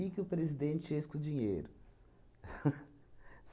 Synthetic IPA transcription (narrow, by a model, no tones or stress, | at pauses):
ikɪʊpɾezid̪ẽnt͡ʃɪeskʊd͡ʒĩɲejɾʊ